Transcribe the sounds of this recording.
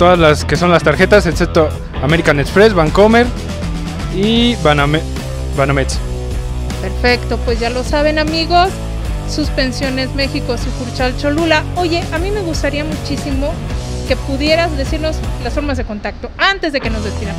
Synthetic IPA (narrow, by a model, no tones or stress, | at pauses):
t̪o̞ðazlaske̞so̞nlast̪aɾxe̞t̪aset̪sep̚t̪o | ameɾikanet̪sfɾesβaŋkomeɾ | ibaname | banamet̪s | pe̞ɾfe̞kt̪o̞pwe̞zʝalo̞saβ̞e̞namiɣo̞sː | uspe̞nsjo̞ne̞zme̞xikosikuɾt͡ʃalt͡ʃolulao̞ʝe̞ʔamime̞ɣust̪aɾiamut͡ʃisimo̞ | ke̞puðje̞ɾazðe̞siɾno̞slasfo̞ɾmazðe̞ko̞nt̪ak̚t̪o̞ant̪e̞zðe̞ke̞no̞zðesiɾam